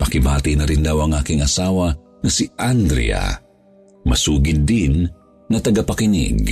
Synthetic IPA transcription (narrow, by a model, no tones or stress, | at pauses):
pɐkɪbaːt̪ɪnɐɾɪnd̪awɐŋʔaːkɪŋɐsaːwa | ŋɐsiʔand̪ɾḭa̰ | mɐsuːɡɪd̪ːinː | ɐt̪ɐɡapɐkɪnɪ̰ɡ